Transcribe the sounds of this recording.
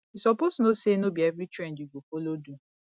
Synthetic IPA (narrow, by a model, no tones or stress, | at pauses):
isɔposnosenobievɾitɾendiɡopolodu